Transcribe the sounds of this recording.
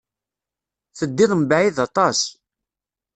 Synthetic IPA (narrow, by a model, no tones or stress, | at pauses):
θəd̪ːɪðˤmbaʕiðɑt̪ˤɑs